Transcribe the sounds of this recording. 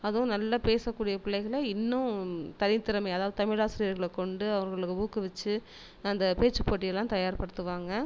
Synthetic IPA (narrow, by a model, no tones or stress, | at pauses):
ɐðʊ̃nɐlːapeːsɐkːuːɽɪjɐpɪɭːɐɪɣɐɭɐɪnːʊ̃t̪ɐɾɪnt̪ːɪɾɐmɐɪɐðaːʋɐðɯt̪ɐmɪɭaːsɾiɾɣɐɭkːɔɳɖɯɐʋɐŋɡɐɭɯkːɯbuːkːɯʋɛt͡ʃːɯ | ɐnd̪ɐpeːt͡ʃːɯpoːʈ̬ːɪjɐlːãːt̪ɐjaːɾpɐɽɯt̪ːɯʋaːŋɡɐ